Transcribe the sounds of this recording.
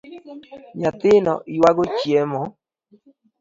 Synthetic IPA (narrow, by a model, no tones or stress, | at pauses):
ɲat̪ɪnɔ̰ʔiwaɡot͡ʃjɛmɔ